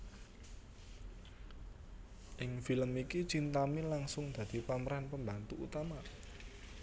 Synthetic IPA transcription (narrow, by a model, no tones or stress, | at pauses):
ʔɪŋfiləmiki̥t͡ʃint̪amilaŋsʊŋd̪̥ä̤d̪̥i̤paməɾanpəmbant̪uʔṵt̪ama